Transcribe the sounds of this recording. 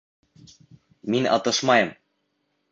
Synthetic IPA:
minɤ̰t̪ɤ̆ʃmɑjɤ̆m

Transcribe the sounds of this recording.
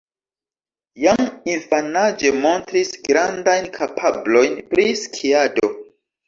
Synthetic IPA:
jaŋinfanad͡ʒe̞mo̞ntɾisɡɾandajnkʰapʰablo̞jnpɾiskʰiado̞

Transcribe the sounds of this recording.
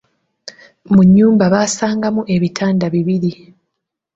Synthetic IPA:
muɲːuːmbaβaːsaːŋɡamuʔe̞βitʰaːndaβiβiɾi

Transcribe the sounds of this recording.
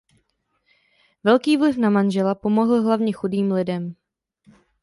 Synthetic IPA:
vɛlkiːvlɪfnamanʒɛlapo̞mo̞ɦl̩ɦlavɲɛxudiːmlɪdɛm

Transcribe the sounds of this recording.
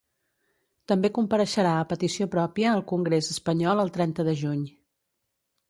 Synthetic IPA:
t̪əmbekumpəɾəʃəɾaəpət̪isiopɾɔpiəːlˠkuŋɡɾezəspəɲɔlˠəlˠt̪ɾɛnt̪əðəʒuɲ

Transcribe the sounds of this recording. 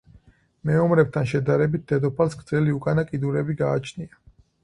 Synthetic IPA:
mɛɔmɾɛb̚t̪ʰanʃɛd̪aɾɛbit̪̚d̪ɛd̪ɔpʰalsɡɾdzɛliukʼanakʼid̪uɾɛbiɡaːt͡ʃʰnia

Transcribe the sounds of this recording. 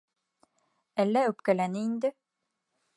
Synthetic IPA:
ælːæɵpkælænɘind̪ɘ

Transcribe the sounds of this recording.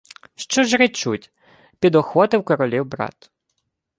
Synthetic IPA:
ʃt͡ʃɔʒɾɪt͡ʃutʲ | pʲid̪ɔxwɔt̪ɪwkɔɾɔlʲiwbɾɑ̰t̪

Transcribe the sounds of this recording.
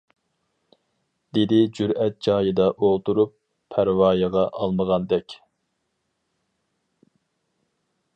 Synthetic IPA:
d̪̥ed̪ɪd͡ʒyɾɛt̪̚d͡ʒɑːjɨd̪ɑʔolˠt̪uɾupʰː | æɾwɑːjəʁɑʔɑlˠməʁɑnd̪ɛkʲ

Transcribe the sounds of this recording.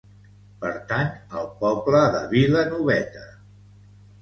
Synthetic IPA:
pəɾt̪anəlˠpɔbləðə̰βilənuβɛt̪ə

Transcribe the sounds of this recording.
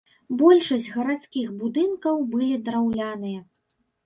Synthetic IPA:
bɔlʲʂɐsʲd͡zʲɣɐɾat̪skʲixbud̪ɨnkɐwbɨlʲid̪ɾawlʲanɨjɐ

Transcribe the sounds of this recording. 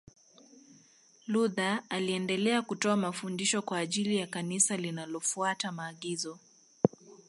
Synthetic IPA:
luðaaliɛndɛlɛakutɔamafundiʃɔkwaːʄilijakanisalinalɔfuatamaːɠizɔ

